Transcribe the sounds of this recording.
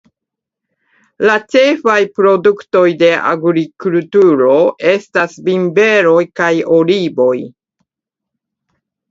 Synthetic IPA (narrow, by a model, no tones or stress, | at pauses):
lat͡ʃe̞fajpɾo̞dukto̞jde̞ʔa̰ɡɾikultuɾo̞e̞stasbimbe̞ɾo̞jkajo̞libo̞j